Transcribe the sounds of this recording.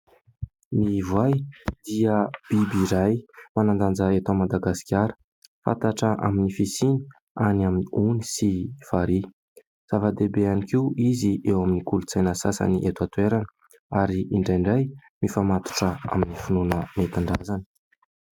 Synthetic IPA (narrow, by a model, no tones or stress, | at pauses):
mivajd̪iəb̥ibiɾajmanand̪and͡zəet̪amad̪aɡasi̥kʲaɾə̥ | fa̰t̪aʈ͡ʂəʔa̰minifisini̥ | anaminiunisifaɾi | z̥avad̪ebeanikiiziʔewaminikulut͡sajnəsasa̰niʔet̪uat̪ueɾanə | aɾiʔiɳɖ͡ʐajɳɖ͡ʐajmifamat̪u̥ʈ͡ʂəa̰minifinunəmet̪aɳɖ͡ʐazanə̥